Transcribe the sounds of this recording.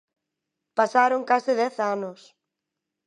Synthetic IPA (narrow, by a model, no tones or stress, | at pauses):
pasaɾoŋkasɪðɛθanʊs